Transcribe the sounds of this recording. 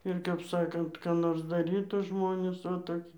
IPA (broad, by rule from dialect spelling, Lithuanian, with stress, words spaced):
ɪr kɐp ˈsɑːkɐnt kɑː ˈnoːrs dɐˈrʲiːtuː ˈʒmoːnʲeːs oː toːˈkʲɪ